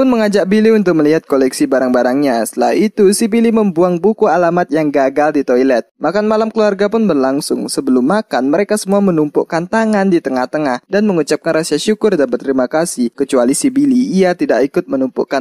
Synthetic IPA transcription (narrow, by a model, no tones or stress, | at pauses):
pʊnməŋad͡ʒak̚biliunt̪ʊk̚məliɦat̪̚kolɛksibaɾaŋbaɾaŋɲasə̥t̪əlait̪usibiliməmbuaŋbukualamat̪̚jaŋɡaɡaldit̪ojlɛt̪̚makanmalamkəluarɡapʊnbərlaŋsʊŋsəbəlʊmːakanməɾekasəmuamənumpṵʔkant̪aŋandit̪əŋaht̪əŋahdanməŋut͡ʃap̚kanrasiaʃukʊrdanbət̪əɾimakasikət͡ʃualisibiliːat̪idaʔkikʊt̪̚mənumpṵʔkan